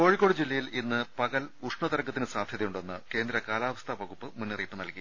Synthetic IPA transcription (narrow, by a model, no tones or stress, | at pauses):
o̞ːɻikːo̞ɽɨd͡ʑilːɐjilinːɨpɐɣɐluʂɳɐt̪ɐɾɐŋɡːɐt̪ːinɨsaːd̪ʱjɐðɐjuɳɖo̞nːɨke̞ːnd̪ɾɐkaːlaːʋɐst̪ʰɐʋɐɣupːɨmunːɨriːpːɨnɐlki